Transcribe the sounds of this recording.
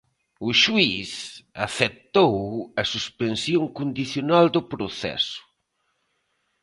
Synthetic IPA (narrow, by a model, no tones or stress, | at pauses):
ʊʃuisaθet̪owɐsuspensjoŋkond̪iθjonald̪ʊpɾoθɛ̰sʊ̥